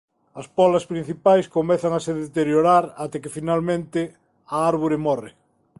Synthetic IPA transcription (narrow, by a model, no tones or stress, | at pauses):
ɐspɔlɐspɾin̟θipajskomɛθaŋaseðet̪eɾjoɾaɾat̪ekefinalmẽnt̪ɪ | aaɾβuɾemɔrḛ